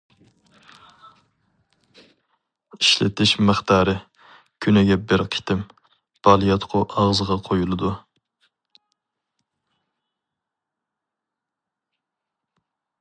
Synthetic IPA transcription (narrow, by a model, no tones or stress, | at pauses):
iʃlɪ̰t̪ɪʃməχt̪ɑːɾɨ | kʲʰynɪɡʲɛbɪɾqʰi̥t̪ʰɪm | b̥ɑːlˠijɑt̪qʰʊʔɑʁzəʁɑqʰojulˠɨd̪u